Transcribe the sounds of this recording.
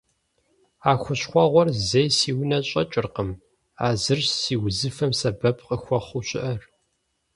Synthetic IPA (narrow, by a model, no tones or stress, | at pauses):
aːxʷʊɕχʷɔʁʷɔrzejsiːwnɐɕʼɐt͡ʃʼɪrqəm | aːzɨrɕsiːwzɨfɐmsɐbɐpʰqəxʷɔχʷuɕʼɪ̰ʔɐr